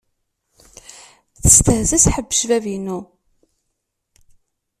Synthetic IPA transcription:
θə̥st̪əhzæsħəbːəʃvævinu

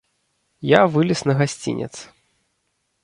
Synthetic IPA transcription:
javɨlʲisnɐɣasʲt͡sʲḭnʲɛ̰t̪s

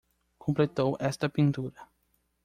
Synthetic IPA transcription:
kʰõmplet̪owʔɛst̪ɐpĩnt̪uɾɐ

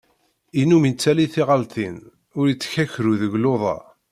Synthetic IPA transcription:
inumint͡sːæliθɪʁəlt̪in | ʊɾjit͡sːçæçɾuðəʝloðˤɑ̰

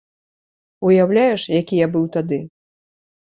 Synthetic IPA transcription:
ujawlʲajɛʂjakʲijabɨwt̪ad̪ɨ

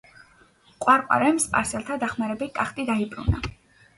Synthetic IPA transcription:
qʼwaɾqʼwa̰ɾɛmspʼa̰ɾsɛlˠt̪ʰad̪aχmaɾɛbikʼaχt̪ʼid̪aibʼɾṵna̰

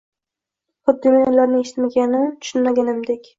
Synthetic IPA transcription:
χʊd̪ːɪmaj̪laɾnɪŋeʃɪ̥t̪maɡʲanɪmt̪ʰʊ̥ʃʊnmaɡʲanɪmd̪ekʲ

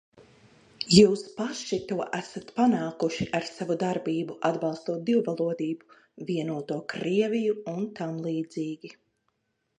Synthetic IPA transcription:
juːspaʃit̪uɔʔæsat̪panaːkuʃiʔaɾsavud̪aɾbiːbuʔad̪bɑlˠst̪uɔːt̪̚d̪iwvalˠuɔd̪iːbu | viɛnuɔt̪uɔkɾiɛvijuunt̪amlˠiːd̪ziːɡʲi

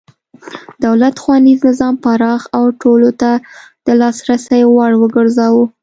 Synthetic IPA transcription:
d̪̥awlat̪xwɑniznɪzɑmpaɾɑxawʈolot̪ad̪̥əlɑsɾasəjwaɽwəɡəɾzɑwu

